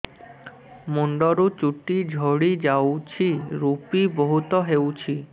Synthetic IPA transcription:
moɳɖoɾut͡ɕuʈid͡ʑʱoɽid͡ʑawt͡ɕʰiɾupiboɦut̪ɔɦewt͡ɕʰi

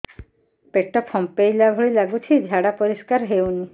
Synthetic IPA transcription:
peʈɔpʰɔmpejlabʱoɽilaɡut͡ʃʰid͡ʒʱaɽapoɾiskaɾɦewni

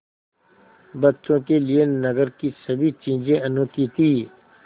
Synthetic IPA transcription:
bɐtːʃõkelienɐɡəɾkisɐbʱit͡ʃĩːd͡ʒẽɐnokiːt̪iː

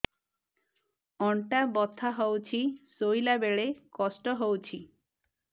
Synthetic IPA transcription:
ɔɳʈabɔt̪ʰaɦɔwt͡ɕʰisojlabeɭekɔsʈɔɦowt͡ɕʰi

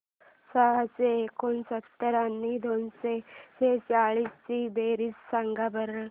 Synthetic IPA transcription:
səɦəseːkonsət̪ːəɾanːid̪onseset͡ɕaɭiːst͡ɕibeɾiːsːãŋɡabəɾəɭ

